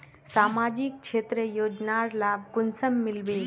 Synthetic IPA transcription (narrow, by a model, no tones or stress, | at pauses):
saːmaːd͡ʒik̚t͡ʃʰeːt̪ɾəjoːd͡ʒnaːɾlaːb̚kʊnsəmːɪlʋe